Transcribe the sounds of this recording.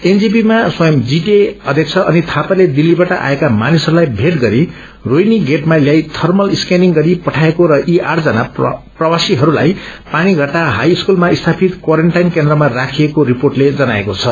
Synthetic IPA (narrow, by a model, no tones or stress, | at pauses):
end͡zipimaswʌjʌmd͡ziʈeʌd̪ʱjek̚t͡sʰʌʔʌnit̪ʰapaled̪ilːibaʈʌʔa̰ekamanisɦʌɾulajbʱeʈɡʌɾi | rojniɡeʈmaljajt̪ʰʌrmʌliskeniŋɡʌɾipʌʈʰaekoɾʌʔiʔard͡zʌnaprʌwasiɦʌɾula̰jpaɽ̃iɡʱʌʈaɦajiskulmaist̪ʰapʰit̪kwaɾeɳʈajnkend̪rʌmarakʰiekoɾiporʈled͡zʌnaekot͡sʰʌ